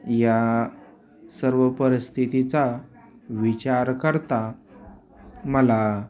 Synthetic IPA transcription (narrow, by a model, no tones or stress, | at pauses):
ja | səɾʋəpəɾist̪ʰit̪it͡sa | ʋit͡ɕaɾkəɾt̪a | məla